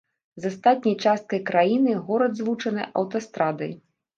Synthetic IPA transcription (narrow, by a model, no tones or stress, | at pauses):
zast̪at̪̚ʲnʲɐjt͡ʂast̪̚kɐjkɾajinɨɣɔɾɐd̪zvut͡ʂɐnɨʔɐwt̪ɐst̪ɾad̪ɐj